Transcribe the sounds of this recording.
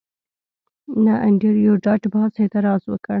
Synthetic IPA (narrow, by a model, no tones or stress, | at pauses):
naʔaɳɖeɾjoɖɑʈbɑset̪ɪɾɑzwəkəɳ